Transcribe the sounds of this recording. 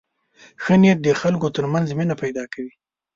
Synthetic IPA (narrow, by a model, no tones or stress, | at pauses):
xənjat̪̚d̪əxalkot̪əɾmanzminapajd̪ɑkawi